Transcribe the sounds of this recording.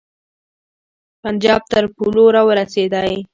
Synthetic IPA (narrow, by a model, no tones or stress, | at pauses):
pand͡ʒɑb̚t̪əɾpuloɾɑwəɾased̪aj